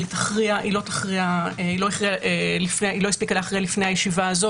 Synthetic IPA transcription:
it̪ḁχʁiaʔilo̞t̪ḁχʁiaeilojiχʁiaʔelifneilo̞jispikaleːχʁialifne̞jhajeʃivaːzo

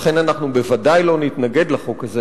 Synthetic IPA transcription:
χe̞nanaχnube̞vadajlo̞nit̪naɡe̞d̪leχokaze

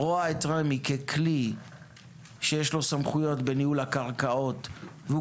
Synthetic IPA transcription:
oaetʁamikekʰli | ʃejeʃlo̞samχujo̞t̪be̞niulakaʁkao̞t̪veu

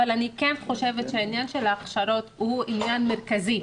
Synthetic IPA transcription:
alanikenχo̞ʃe̞vet̪ʃeainjanʃe̞laːχʃaɾo̞t̪huʔinjanme̞ʁkazi

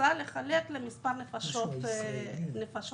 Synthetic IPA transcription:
ale̞χaleklemispaʁnefaʃot̪ | nefaʃ

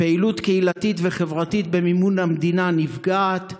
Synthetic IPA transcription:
peilut̪keilatitveχevʁatit̚be̞mimunhamdinanifɡaːt̪

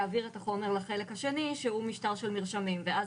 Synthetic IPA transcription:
aːviʁetaχo̞me̞ʁlaχe̞lekhaʃe̞niʃeumiʃtaʁʃelmiʁʃamimveʔaz

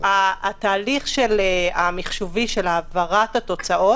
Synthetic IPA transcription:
aːt̪aːliχʃeleamiχʃoviʃe̞laːvaʁat̪hat̪o̞t͡saʔo

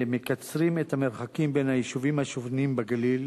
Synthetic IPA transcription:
mekat͡sʁimet̪hameʁχakimbenhajiʃuvimhaʃovnimbaɡalil

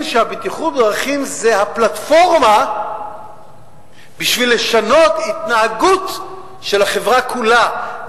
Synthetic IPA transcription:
nʃeabit̪iχut̚dʁaχimzehaplat̪fo̞ʁma | biʃvilːe̞ʃano̞t̪it̪naaɡut̪ | ʃelhaχe̞vʁakʰula

